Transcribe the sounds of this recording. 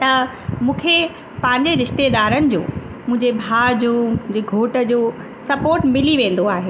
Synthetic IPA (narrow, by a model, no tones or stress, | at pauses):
t̪ɐ | mũːkʰe | pɐ̃ɦɪ̃ɲd͡ʑeɾɪʃt̪ed̪aːɾənɪ̆d͡ʑo̰ː | mʊ̃ɦɪ̃ɲd͡ʑebʱaːd͡ʑoːm̃ʊ̃d͡ʑeɡʱoːʈə̆d͡ʑoː | sɐpoːɾʈmɪliʋẽːn̆d̪oaːɦeː